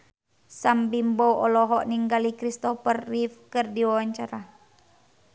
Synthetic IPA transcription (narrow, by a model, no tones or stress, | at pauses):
sambimbɔwɔlɔɦɔʔniŋɡalikɾist̪ɔfərːifkɨrdiwawaɲt͡ʃaɾa